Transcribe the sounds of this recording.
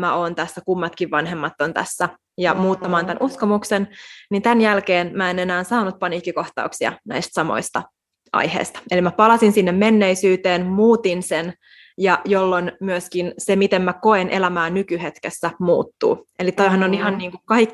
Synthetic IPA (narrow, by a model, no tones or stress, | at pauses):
mæoːnt̪æsːækumːɑt̪kiʋʋɑnɦemːɑt̪ːont̪æ̰sːæ | jɑmuːt̪ːɑmɑːnt̪ænʔuskomuksennint̪ænjælkeːnmæene̞næːnsɑːnːut̪̚pɑnikːikoht̪ɑ̰uksiɑ̰næ̰ist̪sɑmo̰ist̪ɑ | ʔɑ̰jhḛːst̪ɑ̥elimæpɑlɑsinsinːemmenːeisyːt̪eːnmuːt̪insen | jɑjolːonmyøskinsemit̪emmæko̞enʔḛlæmæːnykyhet̪kesːæmṵːt̪ːṵːelit̪oiɦɑnːoniɦɑnniːŋkukɑikː